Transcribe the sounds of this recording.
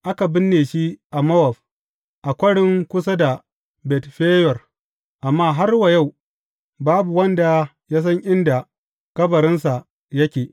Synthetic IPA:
ʔa˦ka˨bɪ˦nːeː˨ʃi˦ʔa˨mɐ˦wɐ˨ɸ | ʔa˨kʷɐ˦ɽɪ˦ŋkʷʊ˦s̬a˦da˨ | bɛ˨tɸeː˦jɔ˨r | ʔa˨mːaː˦ɦa˦rwɐ˨ja˦˨w | baː˦bu˨wɐ˦nda˨ | jaː˦s̬ɐ˦ŋʔɪ˦nda˨ | kɐ˦bɐ˨ɾɪ˦nsa˨ | jɐ˦kʲeː˨

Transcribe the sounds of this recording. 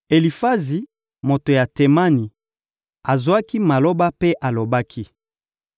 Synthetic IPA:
e˨li˨fa˦zi˨ | mo˨to˨ja˨te˨ma˦ni˨ | a˨zwa˦ki˦ma˨lo˦ba˦pe˦ʔa˨lo˨ba˦kʰi˦

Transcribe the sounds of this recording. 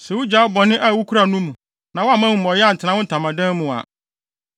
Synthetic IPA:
sɛ˨wu˦d͡ʑaː˨˦bɔ˨nɪ̃˦ʔa˨wu˦kʰu˦ɾa˨nũ˦mũ˨ | nã˨wɔ˦a˦˨mã˦u˨mɔ˨jɛ˦a˦n̩˨tʰɪ˨nã˦wʊ̃˦n̩˨tʰã˨mã˨dɛ̃˦n˦mũ˨a̰˨

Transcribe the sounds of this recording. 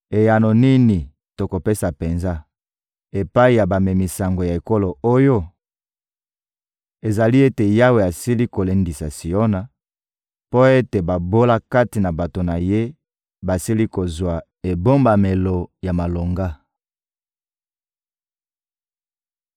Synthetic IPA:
e˨ja˨no˨ni˦ni˨ | to˨ko˨pe˦sa˨pe˨nza˦ | e˨pa˦i˨ja˨ba˨me˨mi˨sa˨ŋɡo˨ja˨e˨ko˦lo˨o˦jo˦ | e˨za˨li˦e˦te˨ja˦we˨a˨si˦li˦ko˨le˨ndi˨sa˨si˨o˦na˨ | po˦e˦te˨ba˨bo˦la˦ka˦ti˨na˨ba˨to˨na˨je˦ | ba˨si˦li˦ko˨zwa˨ | e˨bo˦mba˨me˨lo˨ja˨ma˨lo˨ŋɡa˦

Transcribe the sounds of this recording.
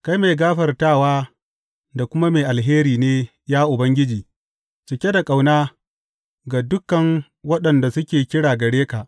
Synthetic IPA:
ka˦jme˨ɡaː˦ɸɐ˨rtaː˦˨waː˦ | da˨kʷʊ˦ma˦meː˨ʔa˨lɦeː˦ɾiː˨neː˦ | jaː˦ʔʊ˨bɐ˦ŋɡʲɪ˦d͡ʒiː˨ | t͡ʃɪ˨kʲe˦da˨kʼa˨wnaː˦ | ɡa˨dʊ˦kːɐ˨ŋ | wɐ˦ɗɐ˨nda˨sʊ˦kʲeː˨kʲɪ˦ɽaː˨ɡɐ˨ɽeː˦ka˨ʔ

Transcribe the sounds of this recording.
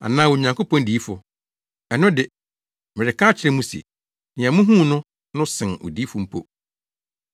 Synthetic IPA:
a̰˨nãː˦wo˨ɲã˨ŋko˦pɔ̃˦n˦diː˨˦fʊ̰˨ | ɛ˨nʊ̃˦dɪ˨ | mɪ˨ɾɪ˨kʰa˦t͡ɕʰɪ˦ɾɛ˦mũ˦sḛ˨ | nɪ̃˨a˨mũ˦ɦũ˦˨nʊ̃˦ | nʊ̃˦sɪ̃˨no̰˨di˨˦fʊ˦m̩˦pʰo̰˦

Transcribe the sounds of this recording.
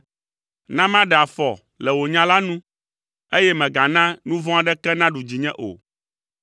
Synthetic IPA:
nã˦mã˦ɖɛ˨a˨fɔ˨ | lɛ˨wo˨ɲã˦la˦nũ˦ | e˦jɛ˦mɛ̃˨ɡa˨nã˦nũ˦vɔ̃˦a˦ɖɛ˦kɛ˦nã˦ɖu˨d͡ʑi˨ɲɛ̃˦ʔo̰˨

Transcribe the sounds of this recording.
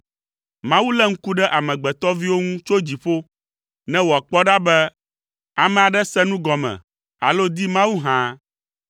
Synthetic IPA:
mã˦wu˦lɛ˦ŋ̩˦ku˦ɖɛ˦ʔa˨mɛ̃˨ɡ͡bɛ˨t̪ɔ˦vi˦wo˦ŋũ˦t͡ʃo˦d͡ʑi˨ɸo˦ | nɛ̃˦wo˨a˨k͡pɔ˦ɖa˦bɛ˦ | a˨mɛ̃˨a˨ɖɛ˦sɛ˦nũ˦ɡɔ˨mɛ̰̃˨ | a̰˨lo˦d̪i˦mã˦wu˦ɦã˦

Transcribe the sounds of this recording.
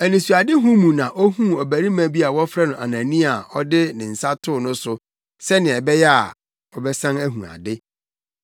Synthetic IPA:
æ˨nĩ˨su˨a˨dɪ˦ɦũ˦mũ˨nã˨ʔɔ˦hũ˦ɔ˨bæ˨ɾi˦mã˨˦˨bi˦a˨wɔ˦fɾa˦nʊ̃˨ʔa˨nã˨nĩ˦a˨ɔ˦dɪ˦nɪ̃˨n̩˨sa˦tʰʊ˦˨nʊ̃˦sʊ˨ | sɛ˦nɪ̃˨ɛ˨bɛ˦jɛ˦a̰˨ | ɔ˨bɛ˦sã˦næ˦ɦṵ̃˨a̰˨dɪ˦

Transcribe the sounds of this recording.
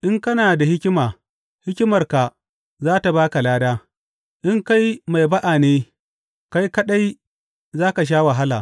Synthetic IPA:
ʔɪ˦ŋkɐ˦naː˨da˨hɪ˦kʲɪ˦maː˨ | hɪ˦kʲɪ˦mɐ˨rka˨ | zaː˦ta˨baː˦ka˨laː˦daː˦ | ʔɪ˦ŋka˦jma˨jba˦ʔaː˨neː˦ | ka˦jkɐ˦ɗa˦j | zaː˦ka˨ʃ̬aː˦wa˨ɦa˦la̰ː˨

